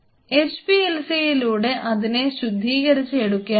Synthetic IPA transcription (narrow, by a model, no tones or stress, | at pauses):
espielsijiluːɽe̞ʔɐðine̞ɕud̪ʱːiːɣɐɾit͡ɕːɨeɽukːa